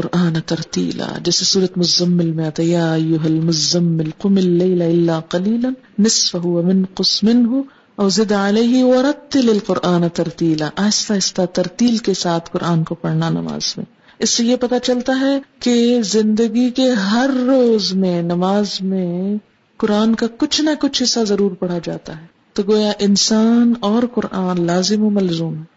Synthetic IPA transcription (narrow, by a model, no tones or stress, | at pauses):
qʊɾʔaːnɐt̪ɐɾt̪ḭːla̰ːd͡ʒɛːsesuːɾət̪mʊzɐmːɪlmẽaːt̪ajaːɐjːʊɦɐlmʊzɐmːɪlqʊmɪlːɐɪlaɪlːaːqɐliːlɐnːɪsfɐɦʊwɐmɪnqʊsmɪnɦʊ | ɐːzɪd̪aleːɦɪwɐɾɐt̪ːɪlɐlqʊɾʔaːnɐt̪ɐɾt̪iːlaʔaːɪst̪aːɪst̪at̪ɐɾt̪iːlkesaːt̪ʰqʊɾʔaːnkopɐɽnanɐ̰ma̰ːz̥mḛ̃ː | ɪsːejepɐt̪at͡ʃɐlt̪aɦɛkezɪ̃nd̪əɡikeɦɐɾːoːzmẽnɐmaːzmẽ | qʊɾaːnkakʊt͡ʃʰnakʊt͡ʃʰɪsazɐɾuːɾpɐɽ̤ad͡ʒa̰ːt̪aɦɛː | t̪oɡoːjaʔɪnsaːnɔːɾqʊɾʔaːnlaːzɪmɦomɐlzuːmɦɛ